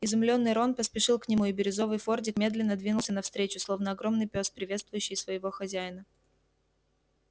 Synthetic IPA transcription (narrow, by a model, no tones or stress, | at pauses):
ɪzʊmlʲo̞nːɨjɾo̞npəspʲɪʂɨlˠknʲɪmuɪbʲɪɾʲɪzo̞vɨjfo̞rdʲɪkmʲe̞d̪lʲɪnːəd̪vʲinʊlˠsʲənɐfst̪ɾʲet͡ɕʊslˠo̞vnəɐɡɾo̞mnɨjpʲospɾʲɪvʲe̞t̪st̪vʊjʉɕːɪjsvəjɪvo̞xɐzʲæjɪnə